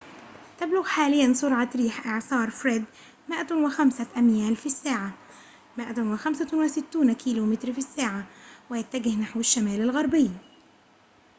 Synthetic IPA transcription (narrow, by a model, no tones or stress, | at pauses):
t̪ablʊɣħaːlɪjːansˤʊɾʕɑɾiːħʔɪʕsˤɑːɾˤfɾeːd̪ | mɪʔwɪxamsaʔamjaːlfisːaːʕa | mɪʔawɪxamsawɪsɪt̪ːuːnkʰiːluːmɪt̪ɾfisːaːʕawɪjat̪ːaɡɪhnaħwaʃːamaːlalɣɑɾˤbɪjː